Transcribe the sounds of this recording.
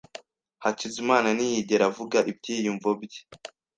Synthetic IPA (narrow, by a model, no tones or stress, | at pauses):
hacizimaːnanijiɟeɾavuɡaʔib̚ɟiːjuɱvobɟi̥